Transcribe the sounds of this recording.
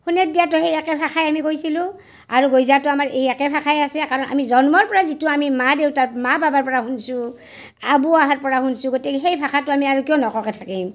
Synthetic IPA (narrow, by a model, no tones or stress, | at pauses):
hunɛdijatʊxejakɛbʱaxʰajamikojsilʊ̃ | aɹuɡojzatʊamaɹejakɛbʱakʰajasɛkaɹɔnʔa̰mizɔnmɔɹpɔɹazitʊamimadeʊtaɹmababaɹpɔɹaɦunsʊ̃ | abuaɦaɹpɔɹahunsʊ̃ɡotɛkɦejbʱakʰatʊamiaɹukijɔnɔkɔkɛtʰakim